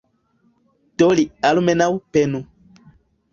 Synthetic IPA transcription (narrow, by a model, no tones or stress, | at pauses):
tolialumɛnawupɛnũ